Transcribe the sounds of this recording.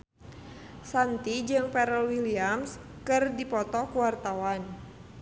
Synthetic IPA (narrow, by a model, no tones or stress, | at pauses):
sant̪id͡ʒɨŋpɛɾəlwiliamskɨrdipɔt̪ɔkuwart̪awan